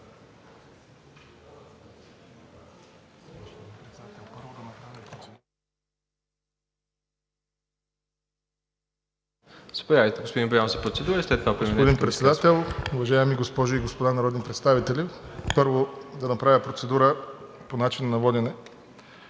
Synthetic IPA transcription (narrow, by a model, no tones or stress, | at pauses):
inpɾɛt̪sɛd̪at̪ɛlˠpəɾvod̪ɐnɐpɾavʲɐpɾot̪sɛ | sə̥pojavit̪ɛɡospod̪inbjamzəpɾot̪sɛd̪uɾəist̪ɛt̪apɾminpod̪inpɾɛt̪sɛd̪at̪ɛlˠʊvɐʒaɛmiɡospɔʒoiɡospod̪anɐɾɔd̪ʲɛnpɾɛt̪st̪avit̪ɛlʲipɤɾvod̪ɐnɐpɾavʲəpɾot̪sɛd̪uɾəponat͡ʃinənɐvɔd̪ʲɛnɛ